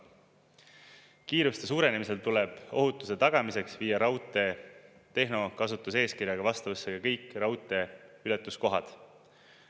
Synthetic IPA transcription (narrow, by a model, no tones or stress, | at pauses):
kiːɾust̪e̞suːɾe̞nemise̞lt̪uleb̥o̞ɦut̪ːˑuse̞t̪ɑɡ̥ɑmise̞ksviːɑɾɑwt̪ˑe̞ | t̪e̞ɦno̞kɑsut̪ːˑuse̞ːskirjɑɡ̥ɑvɑst̪ɑvɤsːeɡɑkɤjkːˑrɑwt̪ːˑe̞ylɛt̪ːˑusko̞ɦɑd̪̥